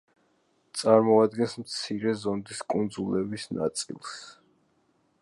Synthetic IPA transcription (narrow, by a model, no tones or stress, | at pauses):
t̪sʼaɾmɔad̪ɡɛnsmt̪sʰiɾɛzɔnd̪iskʼund̪zulɛbisna̰t̪sʼḭlˠs